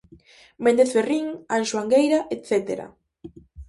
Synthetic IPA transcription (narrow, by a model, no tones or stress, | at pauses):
mẽnd̪eθferiŋanʃwaŋɡejɾaʔet̪θet̪ḛɾa̰